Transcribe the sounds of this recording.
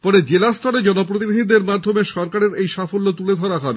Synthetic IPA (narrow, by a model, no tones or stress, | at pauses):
pɔɾed͡ʑelast̪ʰɔɾed͡ʑɔnopɾot̪̬inid̪ʱid̪eɾmad̪ʱomeʃɔɾkaɾeɾejʃafolːot̪uled̪ʱɔɾaɦɔbe